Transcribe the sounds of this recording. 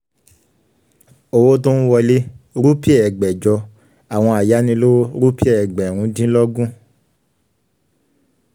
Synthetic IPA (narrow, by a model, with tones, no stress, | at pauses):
o˧wo˦to˦ñ̩˦wɔ˧le˦ɾu˦pi˦ɛ˦˨ɛ˨ɡ͡bɛ˨d͡ʒɔ˧ | a˨w̃ɔ̃˧a˨ja˨˦nĩ˧˦lo˦o˦ɾu˦pi˦ɛ˦˨ɛ˨ɡ͡bɛ˨ɾ̃ũ˨˧˦dĩ˦lɔ˦ɡũ˦